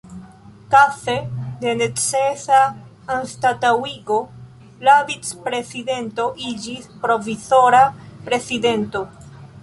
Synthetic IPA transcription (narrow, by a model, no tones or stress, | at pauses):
kafe̞de̞ne̞t͡sesa | anstatawiɡo̞ | lavit͡spɾe̞side̞nto̞ʔid͡ʒispɾo̞viso̞ɾapɾe̞side̞nto̞